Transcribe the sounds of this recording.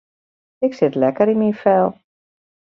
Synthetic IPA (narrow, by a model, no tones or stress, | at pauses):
ɪksɪtlɛkəɾinminfɛlˠ